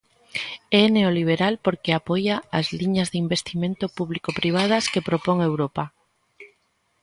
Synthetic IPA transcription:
ɛneoliβ̞eɾalpoɾkeapojaːzliɲazðimbest̪imẽnt̪ʊpuβlikopɾiβ̞aðaskepɾopoŋewɾopa

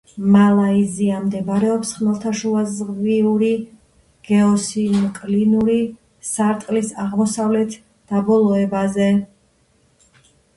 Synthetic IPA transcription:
malˠaiziamd̪ɛbɾɛɔpsχmɛlˠt̪ʰaʃuazʁviuɾi | ɡ̥ɛɔsimkʼlinuɾi | saɾt̪ʼlisaʁmɔsavlɛt̪ʰ | d̪̥abɔlˠɔɛbazɛ

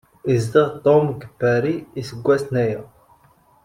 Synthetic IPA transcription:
izd̪iʁt̪omɡəpːæɾiːsəɡʷːæsnæjæ

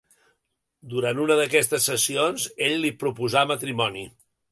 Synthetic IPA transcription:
d̪uɾanunəðəkɛst̪əsːəsionzeʎlipɾupuzamət̪ɾimɔni

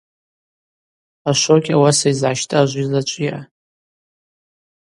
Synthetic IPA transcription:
aʃʷokʲawasaizʕaʃtʼɨaʒʷizlat͡ʃʷʼjiʔa

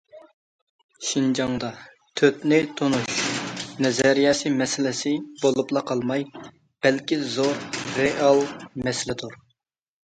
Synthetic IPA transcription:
ʃind͡ʒɑŋd̪ɑ | t̪ʰøt̪nɪt̪ʰonuʃnɛzɛɾijɑːsɨmɛsɪlɪsɪbolˠuplˠɑqʰɑlˠmɑj | b̥ɛlkʲizoɾɾeʔɑlˠmɛsɪlɪt̪ʰuɾ

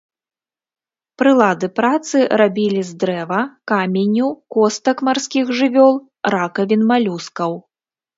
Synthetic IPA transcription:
pɾɨlˠad̪ɨpɾat̪sɨrabʲilʲizd̪ɾɛvɐkamʲenʲukɔst̪ɐkmarsʲkʲixʐɨvʲɔlˠ | rakɐvʲinmalʲuskɐw

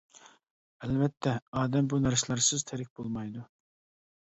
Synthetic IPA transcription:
ɛlvɛt̪ʰːɛɑːd̪ɛmbunæɾslˠɑɾsɪzt̪ʰæɾɪk̚ʲbolˠmɑjd̪u

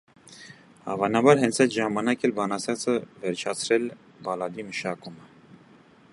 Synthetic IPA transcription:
hɑ̰vɑnɑbɑɾɦɛnt͡sʰɛjt̪ʒɑmɑnɑkɛlbɑnɑsjɑt͡səvɛɾt͡ʃʰɑt͡sʰɾɛl | bɑlɑd̪iməʃɑkumə

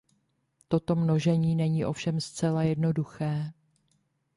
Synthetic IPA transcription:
t̪o̞t̪o̞mno̞ʒɛɲiːnɛɲiːʔo̞fʃɛmst͡sɛlajɛdno̞duxɛː

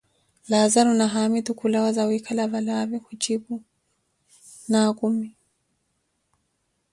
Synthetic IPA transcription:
lazaɾunaɦamit̪ukulawazawikʰalavalavikut͡ʃiɓu | nakumi

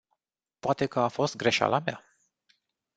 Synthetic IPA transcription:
poat̪e̞kəafo̞st̪̚ɡɾe̞ʃa̰lamja̰

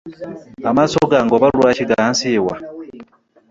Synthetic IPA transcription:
amasoɡaŋɡoβalwaciɡansiwa

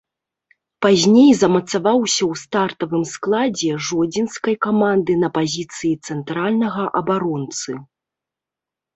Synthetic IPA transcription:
pazʲnʲejzɐmɐt̪savawsʲɐwst̪art̪ɐvɨmsklˠad͡zʲɛʐɔd͡zʲinskɐjkamand̪ɨnɐpazʲit̪sɨjit̪sɛnt̪ɾalʲnɐɣɐʔɐbaɾɔnt̪sɨ

